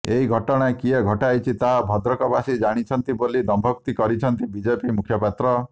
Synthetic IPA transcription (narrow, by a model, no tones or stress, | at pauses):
eiɡʱɔʈɔɽ̃aekieɡʱɔʈajt͡ʃʰit̪aɦabʱɔd̪ɾɔkɔbasid͡ʒaɽ̃it͡ʃʰɔnt̪ibolid̪ɔmbʱɔk̚t̪ikɔɾit͡ʃʰɔnt̪ibid͡ʒepimukʰjɔpat̪ɾɔ